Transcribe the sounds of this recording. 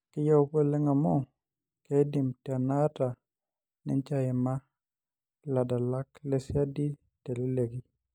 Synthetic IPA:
kɪ˦ja˦wpo˦lɛ˦ŋa˨mɔ˦ | kɛdɪ˨mta˨na˦ta˨ | nɪ̰˨ɲt͡ʃa˦jɛ˨ma | la˨da˨la˦klɛ˦sja˦di˦ | tɛ˨lɪ˦le˨ɡi

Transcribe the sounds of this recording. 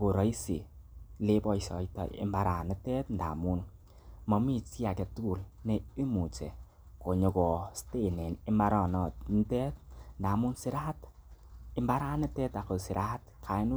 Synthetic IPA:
ko˨ɾɔ˨˦i˦si˨le˦bɔ˦˨jsɔ̰˨jtɔ̰˨ɪ̰˨˦mba˦ɾa˨nɪ˦tɛ˦tn̩da̰˨mu˦n | mɔ˨mi˦t͡ʃi˦a˨kɛ˨tu˦u˨lne˦i˦mu˨t͡ʃɛ̰˨ | ko˨ɲo˨kɔ˨ste˦˨ne˨nɪ˦mba˦ɾɔ˨nɔ˨t̚n̩˦tɛ˦t̚nda˨mu˦nsɪ˦ɾa˦t | ɪ˨mba˦ɾa˦nɪ˦tɛ˦ta˨ko˨sɪ˨ɾʔa˦tkʰa˨i˦nu˦

